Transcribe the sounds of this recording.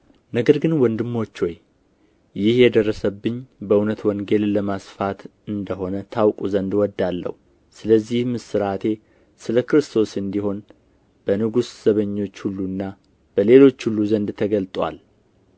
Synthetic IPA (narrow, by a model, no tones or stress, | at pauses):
nəɡəɾɡɨnwɔnd̪ɨmːo̞t͡ʃːo̞j | jɪhjɛd̪ərːəsəbːɨɲːbəunət̪wɔŋɡe̞lləmasfat̪ɨnd̪əɦo̞nət̪ʰawkʼuzənd̪wɔd̪ːalːə̰hu | sɨləzːihmɨsɨɾat̪ʰe̞ | sɨləkɾɨst̪ʰo̞sɨnd̪iɦo̞n | b̥ənɨɡusz̥əβəɲːo̞t͡ʃːhulːunːa | b̥əle̞lo̞t͡ʃːhulːuzənd̪t̪ʰəɡəlt̪ʼwa̰l